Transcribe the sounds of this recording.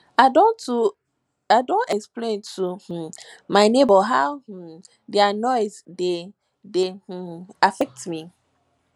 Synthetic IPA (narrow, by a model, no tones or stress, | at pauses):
adõntu | aɪdõntɛksplẽntʰuh̩ | maɪnebɔɦaʊh̩ | dɛanɔɪzde | deh̩afɛk̚tmi